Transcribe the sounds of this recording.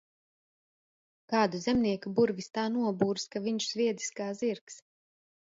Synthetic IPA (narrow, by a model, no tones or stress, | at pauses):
kaːd̪uzɛmniɛkubuɾvist̪aːnuɔbuːɾskaviɲʃz̥vʲiɛd̪zʲi̥skaːziɾks